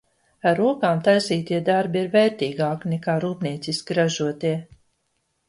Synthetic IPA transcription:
aɾːuɔkaːmt̪ajsiːt̪iɛd̪aɾbiiɾvɛːɾt̪iːɡaːknɛkaːɾuːpniɛt̪siskɾaʒuɔt̪iɛ

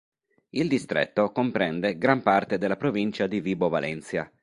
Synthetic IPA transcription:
ild̪ist̪ɾḛt̪ːokompɾɛnd̪eɡɾampart̪ed̪elːapɾovint͡ʃad̪iviːbovalʔɛ̰nt̪sja

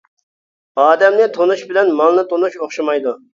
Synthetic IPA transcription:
ɑːd̪ɛmlɪt̪ʰonuʃbɪlɛnmɑlˠnɨt̪ʰonuʃoχʃɑmɑjd̪u

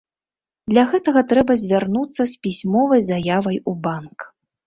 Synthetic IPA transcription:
d̪lʲɐɣɛt̪ɐɣɐt̪ɾɛbɐzʲvʲarnut̪sːɐsʲpʲisʲmɔvɐjzajavɐjubank

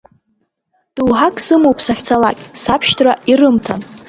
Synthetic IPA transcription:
d̥uwħakʼsɨmowpʰʼsaχʲt͡sʰalakʲʼsapʰʃtʰrairɨmtʰa̰n

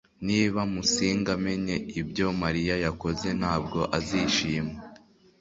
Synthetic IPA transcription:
niːβamusiːŋɡame̞ɲe̞ibjo̞maɾijajako̞ze̞n̥haːb̚ɡo̞ʔaziʃiːme

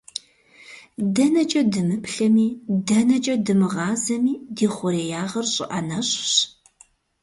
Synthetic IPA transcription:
dɐnɐt͡ʃʼɐdɨmɨpɬɐmiːdɐnɐt͡ʃʼɐdɨmɨʁɑːzɐmiːdiːχʷʊɾeːjaːʁɐrɕʼɪ̰ʔɐnɐɕʼɕ

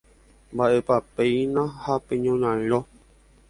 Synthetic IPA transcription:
mbaʔepapejnãhapẽɲõɲãɾ̃õ

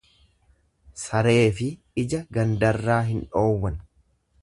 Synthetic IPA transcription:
sɐɾe̞ːfɪ | ɪd͡ʒɐɡɐnd̪ɐrːaːɦɪnᶑo̞ːwːɐn

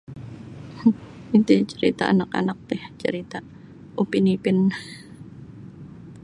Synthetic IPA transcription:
it̪it͡ʃəɾḭt̪aanaka̰nak̚t̪ɪht͡ʃə̰ɾit̪a | ʔupinipɪn

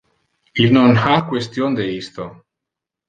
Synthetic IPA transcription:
ilnonakwest̪jond̪eist̪o

